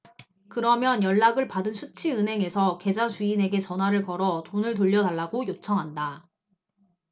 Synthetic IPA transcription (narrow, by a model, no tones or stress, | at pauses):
kɯɾʌmjʌnjʌɭːaɡɯɭpadɯnsʰut͡ɕʰiɯnɦe̞ŋe̞sʰʌke̞d͡ʑasuine̞ɡe̞t͡ɕʌnɦwaɾɯɭkʌɾʌtonɯɭtoʎːʌdaɭːaɡojot͡ɕʰʌŋɦanda